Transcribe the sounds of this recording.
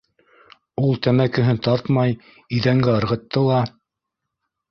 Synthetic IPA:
ulˠt̪æmækɘ̆ɦɘnt̪ɑɾt̪mɑj | iðæŋɡæɤ̆ɾʁɤ̆t̪ːɤlˠɑ

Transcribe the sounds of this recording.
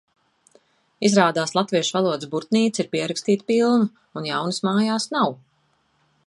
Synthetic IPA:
izɾaːd̪aːslˠat̪viɛʃvalˠuɔd̪ɨsbuɾt̪niːt̪siɾpiɛɾakst̪iːt̪pilˠnu | unjawnɨsmaːjaːsnaw

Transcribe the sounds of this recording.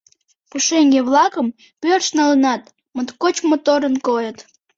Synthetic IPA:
puʃeŋɡeβlɑkəm | pørʃnɑlənɑt̪ | mət̪kot͡ɕmot̪oɾənkojət̪

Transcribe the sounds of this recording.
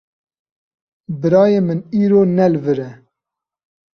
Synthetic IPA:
bɨɾɑːjeːmɨniːɾoːnɛlvɨɾɛ

